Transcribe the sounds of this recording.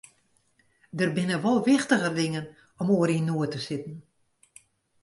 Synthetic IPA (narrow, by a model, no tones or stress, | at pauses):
dərbɪnəʋɔlˠʋɪxtəɣədɪŋən | ɔmoəɾinuətəsɪtn̩